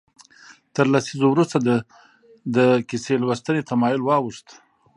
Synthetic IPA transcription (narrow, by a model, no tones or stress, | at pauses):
t̪əɾlasizowɾust̪ad̪ə | d̪əkɪselwəst̪ənet̪amɑjʊlwɑwuʂt̪